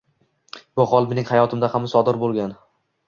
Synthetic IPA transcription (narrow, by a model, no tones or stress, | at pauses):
b̥ʊχɒlˠmenɪŋhajɒt̪ʰɪmd̪ahamsɒd̪ɪɾbolˠɡʲan